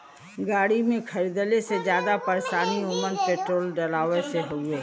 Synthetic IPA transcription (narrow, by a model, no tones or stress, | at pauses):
ɡaːɽimẽkʰəɾid̪əlesed͡ʒjaːd̪apəɾʃaːniomənpeːʈɾoːlɖəlaːʋeseɦoɡeː